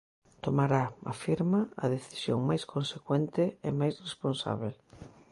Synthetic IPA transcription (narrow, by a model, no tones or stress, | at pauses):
t̪omaɾaa̰fiɾmaɐ̰ðeθi̥sjo̰ŋmajskonsekwɛnt̪ɪemajsresponsa̰β̞el